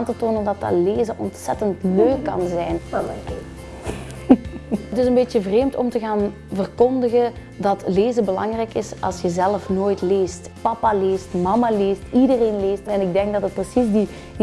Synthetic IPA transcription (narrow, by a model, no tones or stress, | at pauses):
antətoːnəndɑtɑ̰tleːzəʔɔntsɛtəntnøːkɑ̰nzɛjn | ətɪzənbeːtjəvreːmtɔmtəɣaːn | vərkɔndəɣə | dɑtleːzəbəlɑŋrɛjkɪsɑ̰lˠsjəzɛləfnoːjtleːstpɑpaleːstmɑmaleːstidəreːnleːstɛnɪɡ̚dɛŋɡ̚dɑtət̚prəsizdi